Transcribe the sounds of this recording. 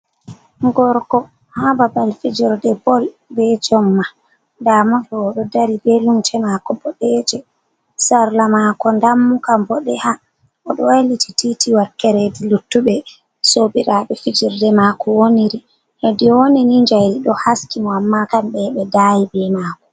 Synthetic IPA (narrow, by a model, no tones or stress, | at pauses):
ɡɔɾkɔ | hababalfid͡ʒiɾdɛbɔl | bɛd͡ʒɔmːa | ndamɔɗɔɔɗɔdaɾibɛlumt͡ʃɛmakɔbɔɗɛd͡ʒɛ | saɾlamakɔndamːukambɔɗɛha | ʔɔɗɔwajlitititiwaɾkɛɾedilutːubɛ | sobiɾaɓɛfid͡ʒiɾdɛmakɔwoniɾi | hɛdiwoniniɲd͡ʒajɾiɗɔhaskimɔamːakambɛɓɛdajibɛmaːkɔ̥